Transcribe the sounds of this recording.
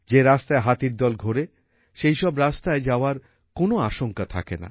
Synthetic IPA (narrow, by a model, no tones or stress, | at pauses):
d͡ʑeɾast̪aeɦat̪iɾd̪ɔlɡʱoɾe | ʃejʃɔbɾast̪aed͡ʑaoaɾ | konoaʃoŋkat̪ʰa̰kḛna̰